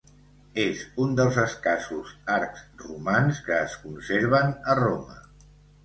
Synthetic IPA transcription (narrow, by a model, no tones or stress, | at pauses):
ezund̪əlˠzəskasuzaɾkz̥rumanskəːskunseɾβ̞ənəromə